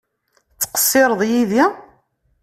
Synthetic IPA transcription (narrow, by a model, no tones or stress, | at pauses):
t͡sːqə̥sːɪɾˤəðˤjiði